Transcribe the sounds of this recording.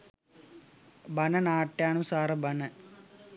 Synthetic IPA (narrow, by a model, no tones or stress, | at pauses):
bɐnɐnaːʈːjaːnusaːrɐbɐnɐ